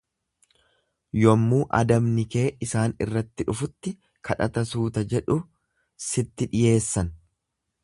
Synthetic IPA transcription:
jɔmːuːʔɐ̰d̪ɐbnɪke̞ːʔɪsaːnɪ̰rːɐt̪ːɪᶑʊfʊt̪ːɪ | kʰɐᶑɐ̰t̪ɐsuːt̪ɐd͡ʒɛᶑʊ | sɪt̪ːɪᶑɪje̞ːsːɐn

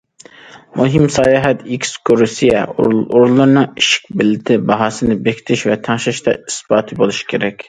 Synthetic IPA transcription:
muɦimsɑːjɑːɦɛt̪ikʲskʰoɾusijɛ̰oɾulˠːɨɾnɨŋiʃɪ̥k̚ʲbɪlːɪt̪ʰɪbɑɦɑːsɨnɨbekʲʰt̪ʰɪʃvɛt̪ʰɑŋʃɑʃt̪ʰɑ̰isbɑːt̪ʰɨbolˠuʃkʲʰeɾɛkʲ

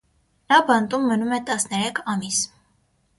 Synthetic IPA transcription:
nɑbɑnt̪umːənumɛt̪ɑsnɛɾɛkʰɑmis

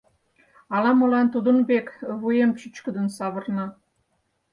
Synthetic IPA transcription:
ɑlɑmolɑnt̪ud̪ə̆nbekβujemt͡ɕyt͡ɕkə̆d̪ə̆nsɑβə̆rnɑ

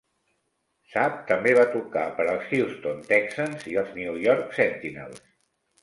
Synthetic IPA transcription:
sap̚t̪əmbeβat̪ukapəɾəlˠsxist̪ont̪ɛksanziəlˠzniujɔɾksɛnt̪ina̰lˠs

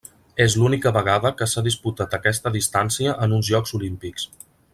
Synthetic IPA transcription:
ezlunikəβəɣ̞aðəkəsaðisput̪at̪əkɛst̪əðist̪ansiəʔənunzʒɔkzulimpiks

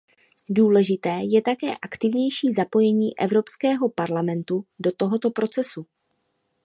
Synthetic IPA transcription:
duːlɛʒɪt̪ɛːjɛt̪akɛːʔakt̪ɪvɲɛjʃiːzapo̞jɛɲiːʔɛvɾo̞pskɛːɦo̞paɾlamɛnt̪udo̞t̪o̞ɦo̞t̪o̞pɾʔo̞t͡sɛsu

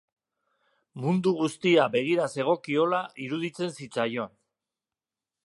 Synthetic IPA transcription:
mund̪uɣ̞ust̪iabe̞ɣ̞iɾase̞ɣ̞o̞kio̞laiɾuðit͡se̞nsit͡sajo̞n

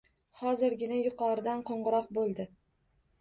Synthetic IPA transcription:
hɒzɪɾɡʲɪnajʊqʰɒɾɪd̪anqʰoɴʁɨɾɒqbolˠd̪ɪ

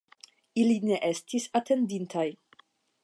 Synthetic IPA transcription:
iline̞ʔe̞stisatʰe̞ndintʰaj

